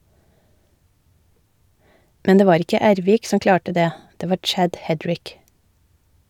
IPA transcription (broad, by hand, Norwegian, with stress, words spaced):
ˈmɛn ˈdeː ˈʋɑːɾ ˈɪkə ˈæːɾʋiːk ˈsɔm ˈklɑːʈə ˈdeː ˈdeː ˈʋɑːɾ ˈt͡ʃæɟ ˈhɛdɹɪk